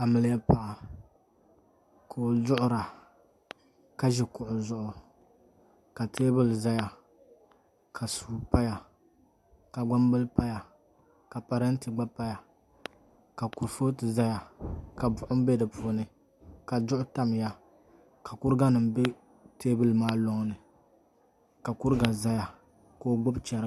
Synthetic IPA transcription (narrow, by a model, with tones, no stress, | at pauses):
ka˨mɨ˨lɪ˦ja˦pa˨ʔa˨ | kʰo˨zʊ˦ʔʊ˦ɾa˨ | ka˦ʒɛ˨kʊ˨ʔʊ˨zʊ˦ʔʊ˨ | ka˨tʰeː˦bɨ˨lza˦ja˨ | kʰa˨su˨pa˦ja˨ | ka˨ɡ͡ba˦mbɨ˦lpa˦ja˨ | ka˨pa˨ɾɛ˦n˦tɨ˨ɡ͡ba˦pa˦ja˨ | ka˨ku˨ɾfo˦tɨ˨za˦ja˨ka˨bʊ˨ʔʊ˦m̩˦be˦dɨ˨pu˨˦o˦nɨ˨ | ka˨d͡ʒʊ˦ʔʊ˦ta˦m˨ja˦ | ka˨kʊ˦ɾɨ˦ɡa˦nɨ˨m˦be˦ | teː˦bɨ˦lmaː˦lo˦ŋnɨ˨ | ka˨kʊ˦ɾɡa˨za˦ja˨ | ko˦ɡ͡bʊ˦bt͡ʃɛ˨ɾ